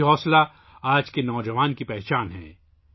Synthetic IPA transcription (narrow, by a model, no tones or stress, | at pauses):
ɦɔːsla | aːd͡ʒkenɔːd͡ʒəʋaːnkipɛɦt͡ʃaːnɦɛ̰̃ː